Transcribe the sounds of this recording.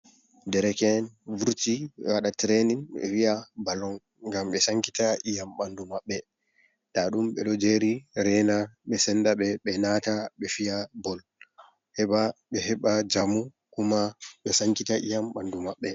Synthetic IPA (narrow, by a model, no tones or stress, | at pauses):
dɛɾɛkɛnvuɾtiɛwaɗatɾeninɓɛ̰wijabalɔŋ | ŋɡamɓɛsaŋkitaʔijamɓandumaɓːɛ | taɗumɓɛɗɔd͡ʒeɾiɾɛnaɓɛsɛndaɓɛɓɛnataɓɛfijabɔl | hɛɓaɓɛhɛɓad͡ʒamu | kumaɓɛsaŋkitaʔijamɓandumaɓːɛ